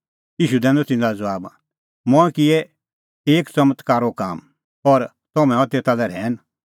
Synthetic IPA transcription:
jiːʃud̪ɛ̃ːnd̪ɔt̪ɪ̃nd̪ad͡zɔaːb | mɔ̃ɛ̃kɪɛ | eːkt͡sɐmət̪kaːɾokaːm | ɔɾ | t̪ɔmɛ̃ɔ̃t̪eːt̪alɛɾɛːn

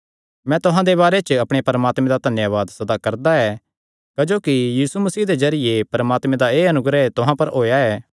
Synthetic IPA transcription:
mɛ̃t̪ʊɦãd̪eβaːɾet͡ʃɐpɽ̃epɐɾɐmaːt̪mẽd̪ad̪ʱɐnjaʋaːd̪sɐd̪akɐɾd̪aɛː | kɐd͡ʒoːkijiːsumɐsiːd̪ezɐɾɪjepɐɾɐmaːt̪mẽd̪aeːɐnʊɡɾɛt̪ʊɦãpɐɾɦoːjaɛː

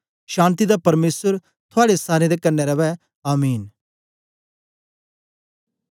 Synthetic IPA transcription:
ʃãːnt̪id̪apɐɾmeːsəɾ | t̪ʰʊaːɽesaːɾẽd̪ekɐɾnɛɾɐʋɛ | aːmiːn

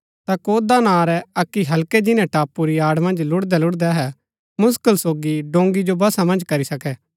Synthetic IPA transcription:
t̪akoːd̪anãːɾɛɐkːiɦɐlkɛd͡ʒɪnɛ̃ʈaːpuɾiaːɽmɐ̃nd͡ʒlʊɽd̪ɛlʊɽd̪aɦɛ | mʊskəlsoːɡiɖõːŋɡid͡ʒobɐsamɐ̃nd͡ʒkɐɾisɐkɛː

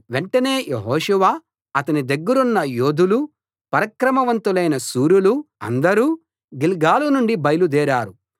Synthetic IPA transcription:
ʋeɳʈɐne̞ːjʔeɦɔːʃɛʋaː | ɐt̪ɐnid̪ɐɡːɐɾunːɐjoːd̪ulu | pɐɾɐkɾɐmɐʋɐnt̪ulɐjnɐsuːɾuluɐ̰nd̪ɐɾuː | ɡilɡaːlunuɳɖibɐjɐlud̪ɛːɾaːɾu

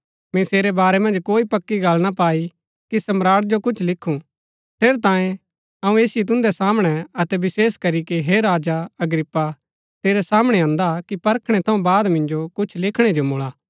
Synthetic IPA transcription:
mɛ̃seːɾɛbaːɾɛmɐ̃nd͡ʒkoːipɐkːiɡalnapaːi | kisɐmɾaːɽd͡ʒokʊt͡ʃʰlɪkʰːũ | pʰeːɾt̪ãːjẽ | ɐũeːsiit̪̬ʊ̃nd̪ɛsaːmɽ̃ɛɐt̪ɛbɪseːskɐɾikiɦeɾaːd͡ʒaɐɡɾɪpːa | t̪eːɾɛsaːmɽ̃ɛãːnd̪akipɐɾkʰɽ̃ɛt̪ʰɐũbaːd̪mɪ̃nd͡ʒokʊt͡ʃʰlɪkʰɽ̃ɛd͡ʒomoːɭaː

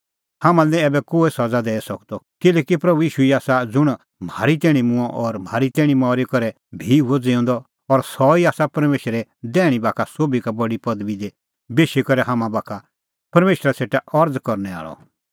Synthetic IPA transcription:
haːmãlɛ̃ɛːbɛkoːesɐd͡zad̪ɛːɛsɐkd̪ɔkɪlɛːkipɾɐbujiːʃuiaːsad͡zʊɽ̃ | m̤aːɾit̪̬ɛːɽ̃imʊ̃ãʔɔɾm̤ʱaːɾit̪ɛːɽ̃imɔːɾikɔɾɛ | bʱiuɔd͡zeɔ̃ːnd̪ɔ | ɔɾsɔiaːsapɐɾmeːʃɾɛd̪ɛːɽ̃ibaːkʰasoːbikabɐɽipɐd̪bid̪e | beːʃikɔɾɛɦaːmãbaːkʰa | pɐɾmeːʃɾaseːʈaʔɐɾd͡zkɔɾnɛa̰ːɭɔ̰

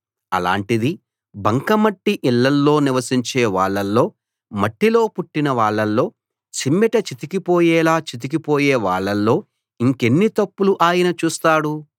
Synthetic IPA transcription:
ɐ̰la̰ːɳʈid̪i | bɐŋkɐmɐʈːiʔilːɐlːo̞ːniʋɐsiɲt͡ʃeːʋaːɭːɐlːo̞ː | mɐʈːilo̞ːpuʈːinɐʋaːɭːɐlːo̞ː | t͡ʃimːɛʈɐt͡ʃit̪ikipoːjɛːlaːt͡ʃit̪̬ik̬ipoːjeːʋaːɭːɐlːo̞ː | iŋke̞nːit̪ɐpːuluʔaːjɐnɐt͡ʃuːst̪aːɽu

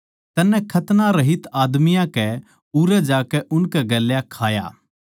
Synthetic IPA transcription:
t̪ɐnːɛ̃kʰɐt̪naɾɐɦit̪aːd̪mijãkɛ | uːɾɛd͡ʒaːkɛʔʊnkɛɡɐlːjakʰaːja̰ː

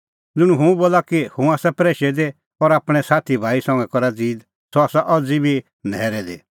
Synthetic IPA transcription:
d͡zɪɽ̃ũɦũũboːlakihũaːsapɾeːʃɛd̪e | ɔɾaːpɽ̃ɛsaːt̪ʰibʱaːisɔ̃ŋɡɛkɔɾad͡ziːd̪ | sɔaːsaʔɔd͡zibʱi | nɛːɾɛd̪ḛ

